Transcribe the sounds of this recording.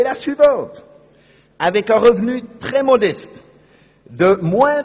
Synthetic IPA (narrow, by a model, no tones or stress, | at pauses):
lasɥivɑ̃t̪ | avɛkɛ̃ʁəvnyt̪χɛmɔd̪ɛst̪ | d̪əmwɛ̃